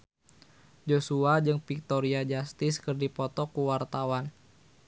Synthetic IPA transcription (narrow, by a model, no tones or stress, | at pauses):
d͡ʒosuad͡ʒɨŋpik̚t̪ɔɾiad͡ʒast̪ɪskərdipɔt̪ɔkuwart̪awan